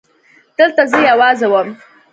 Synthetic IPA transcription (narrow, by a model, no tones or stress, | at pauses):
d̪̥əlt̪azəjawɑzawəm